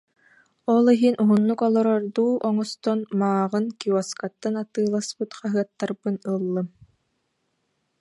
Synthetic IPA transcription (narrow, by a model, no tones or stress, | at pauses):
ɔlˠiɦinʔuɦunːukɔlˠɔɾɔɾd̪uːʔɔŋɔst̪ɔnmaːʁɯnkiɔskat̪ːanat̪ɯːlˠaspɯt̪χaɦɯɐt̪ːaɾbɯnɯlˠːɯm